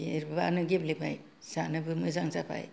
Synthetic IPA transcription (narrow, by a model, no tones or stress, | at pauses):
eɾbanɯɡeblepʰaj | sanɯbɯmɯzaŋsapʰa̰j